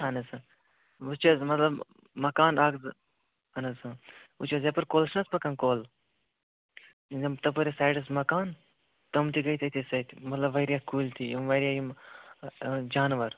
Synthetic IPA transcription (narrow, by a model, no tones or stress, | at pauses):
ɦɐnɐsɨ | ut͡ʃɐzmɐt̪lɐb | mɐkaːnɐɡzɨ | ɐnɐzɨut͡ʃɐzjɐpɐɾkoːlt͡ʃʰnɐspɐkɐnkoːl | ɐmt̪ɐp̬uɾʲesaːjɖɐsmɐkaːn | t̪ɐmt̪ʲiɡɐt̪ʲɐt̪ʲisɐt̪ʲmɐt̪lɐbʋɐɾjaːkuːlt̪ʰijimʋɐɾʲijaːjim | d͡ʒaːnʋɐɾ